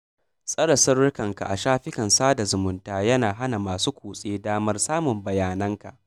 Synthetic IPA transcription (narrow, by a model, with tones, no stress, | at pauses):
sʼɐ˦ɽɐ˨sɐ˦ɽɽʊ˦kɐ˨ŋka̰˨ʔa˨ʃaː˦ɸɪ˦kɐ˨nsaː˦da˨zʊ˨mʊ˦ntaː˦˨jɐ˦naː˨ɦa˦na˨maː˨suː˦kʷuː˨sʼeː˦daː˦mɐ˦rsaː˦mʊ˨mbɐ˨jaː˨nɐ˦ŋka̰˨ʔ